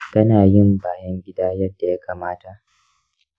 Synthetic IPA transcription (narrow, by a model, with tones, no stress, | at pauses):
kɐ˦naː˨jɪ˦˨mbaː˨jɐ˦ŋɡʲɪ˦daː˦jɐ˦dːa˨ja˦kʰaː˨maː˦ta˨ʔ